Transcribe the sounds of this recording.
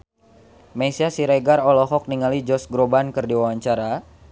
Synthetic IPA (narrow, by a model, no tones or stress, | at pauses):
mesiasiɾeɡarɔlɔɦɔk̚niŋalid͡ʒɔsɡɾobankɨrdiwawaɲt͡ʃaɾa